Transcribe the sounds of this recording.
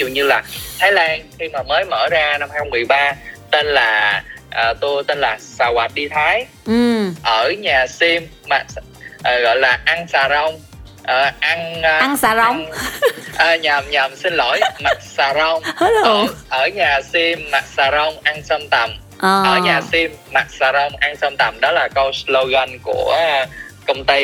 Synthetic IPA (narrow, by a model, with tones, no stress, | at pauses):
zṵ˨˩ɲɨ˧laː˨˩t̪ʰaː˨˦jlaː˧nxi˧maː˨˩məː˨˦jmə̰ː˧˩zaː˧na˧mha˧jxɔ˧ŋ͡mm˨˩əjɓaː˧t̪e˧nlaː˨˩ʔəː˨˩t̪u˧t̪e˧nlaː˨˩saː˧˩wa˨˩t̚ɗi˧t̪ʰaː˨˦j | ʔəː˧˩ɲaː˨˩si˧mːa˨˩s | ʔːɣɔ̰˧˨jlaː˨˩ʔa˧ŋsaː˨˩zə˧wŋ͡m | ʔəː˨˩ʔa˧ŋ˧ŋsa˨zə˧ | ʔəː˨˩ɲa˨˩mɲa˨˩msi˧n̟lo˧˩jma˨˩t̚saː˨˩zə˧wŋ͡mə˧˩ʔəː˧˩ɲaː˨˩si˧mːa˨˩t̚saː˧˩zə˧wŋ͡mʔa˧ŋsə˧mt̪ə˨˩m | ʔʔəː˧˩ɲaː˨˩si˧mːa˨˩t̚saː˨˩zə˧wŋ͡mʔa˧ŋsə˧mt̪ə˨˩mɗɔ˨˦laː˨˩kə˧wslo˧ɣə˧nku˧˩əkə˧wŋ͡mt̪i˧